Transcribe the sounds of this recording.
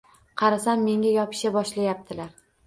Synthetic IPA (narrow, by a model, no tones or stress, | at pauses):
qʰɑɾasamːe̞ŋɡʲajɒpʰɪ̥ʃabɒʃlajap̚t̪ʰɪlaɾ